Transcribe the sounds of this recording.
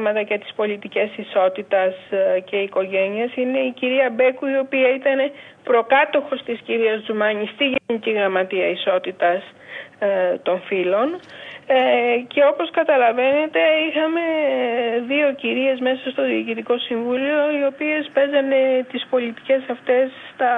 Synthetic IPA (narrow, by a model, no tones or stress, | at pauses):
mɐt̪ɐʝɐt̪i̥spo̞lit̪ice̞siso̞t̪it̪ɐsce̞iko̞ʝe̞niesine̞iciɾiɐbe̞kuio̞piɐit̪ɐne̞pɾo̞kɐt̪o̞xo̞st̪isciɾiɐzd͡zumɐɲist̪iʝeniciɣɾɐmɐt̪iɐiso̞t̪it̪ɐs | t̪o̞ɱfilo̞n | ce̞o̞po̞skɐt̪ɐlɐve̞ne̞t̪e̞ixɐme̞ | ðio̞ciɾie̞zme̞sɐst̪o̞ðiːcit̪iko̞siɱvulio̞io̞pie̞spe̞zɐne̞t̪ispo̞lit̪i̥ce̞sɐft̪e̞sːt̪ɐ